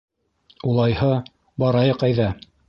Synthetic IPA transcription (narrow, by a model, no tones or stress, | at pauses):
ulˠɑjhɤ | bɑɾɑjɤqɑjðɑ